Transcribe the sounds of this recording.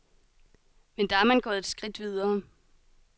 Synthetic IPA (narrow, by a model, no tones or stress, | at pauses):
mend̥ɑ̈æɐmænɡ̥ɒ̽ðˠed̥sɡ̥ʁid̥ʋiðˠɐː